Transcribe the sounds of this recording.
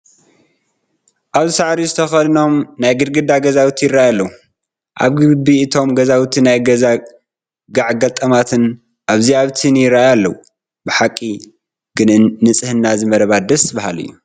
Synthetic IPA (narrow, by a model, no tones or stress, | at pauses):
ʔaβzɨsaʕɾizɨt̪ʰɐxɐd̪ɨno̞mnajɡɨɾɡɨd̪aɡɐzawt̪ʰijɪraʔajalːɐwu | ʔa̰βɡɨbiʔɨt̪ʰo̞mɡɐzawt̪ʰinajɡɐza | ɡaʕɡɐlt̪ʼɐmat̪ʰɨn | ʔaβziaβt̪ʰinjɪɾːaajalːɐwu | bɨħakʼːi | ɡɨnɨːɨt͡sʼɨhɨnːazɨmɐɾɐβad̪ɐsɨbahalɨ̰jːu